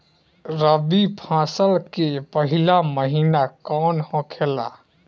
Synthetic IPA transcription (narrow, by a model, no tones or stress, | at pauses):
ɾəbipʰãsəlkepəɦilaməɦinakɔnhɔ̃kʰela̰